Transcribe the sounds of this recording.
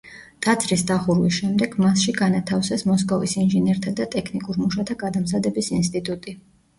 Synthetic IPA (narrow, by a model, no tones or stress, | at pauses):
t̪ʼat̪sʰɾisd̪aχuɾwisʃɛmd̪ɛɡmasʃiɡanat̪ʰafsɛsmɔskʼɔvisinʒɛnɛɾt̪ʰad̪at̪ʼɛkʰnikʼuɾmuʃat̪ʰaɡad̪amzad̪ɛbisinst̪ʼit̪ʼut̪ʼi